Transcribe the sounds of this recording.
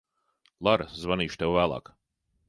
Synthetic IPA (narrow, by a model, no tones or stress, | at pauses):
lˠaɾzvaniːʃt̪ɛwvæːlˠɑ̰ːk